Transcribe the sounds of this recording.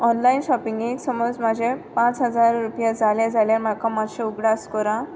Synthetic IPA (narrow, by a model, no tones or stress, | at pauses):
ɔnlainɕɔpiŋɡeksəmɔd͡zm̤əd͡ʑepãt͡sɦəd͡zaɾːupjad͡zaljad͡zaljam̤akãmaɕẽuɡɽaskɔɾã